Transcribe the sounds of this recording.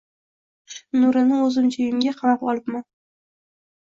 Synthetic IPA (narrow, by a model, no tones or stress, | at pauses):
nʊɾɪnɪɵzɪmd͡ʒʰɪjɪmɡʲaqʰɑmapɒlˠɪpman